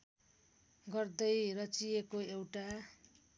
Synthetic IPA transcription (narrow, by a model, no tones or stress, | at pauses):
ɡʌrd̪ʌjrʌt͡sijekoewʈa